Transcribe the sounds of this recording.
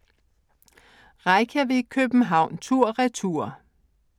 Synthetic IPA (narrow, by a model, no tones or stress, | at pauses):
ʁɑɪkʰəʋe̝kʰøb̥n̩ɦɑ̈ʊ̰nt͡sʰuɐ̰ʁɛt͡sʰuɐ̰